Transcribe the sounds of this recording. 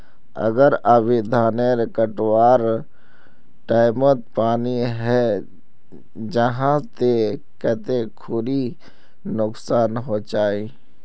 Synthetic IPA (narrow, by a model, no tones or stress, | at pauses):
ə̰ɡəɾaʋɪd̪ʱaːneɾɪkəʈwaːɾ | ʈaːɪmət̪̚paːniɦɛ | d͡ʒəɦãt̪e | kɛt̪ekʰʊɾi | nʊksaːnɦot͡ʃaːi